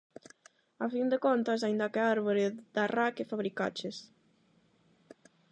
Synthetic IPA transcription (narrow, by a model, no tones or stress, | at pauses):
afind̪ekont̪as̬aind̪akeaɾβoɾɪd̪arakefaβɾika̰t͡ʃes